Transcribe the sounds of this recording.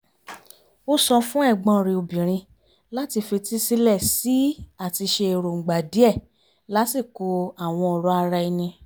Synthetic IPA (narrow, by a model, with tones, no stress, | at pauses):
o˦sɔ˧fũ˦ɛ˦˨ɡ͡bɔ̃˧ɾĩ˧o˧bĩ˨ɾ̃ĩ˧ | la˦ti˧fe˧ti˦si˧lɛ˦˨si˨˦a˦˨ti˧ʃe˧e˨ɾo˨ŋ͡m̩˨ɡ͡ba˨di˨˦ɛ˦˨ | la˦si˦˨ko˧a˦˨w̃ɔ̃˧ɔ˧ɾɔ˨˦a˧ɾa˧i˧nĩ˧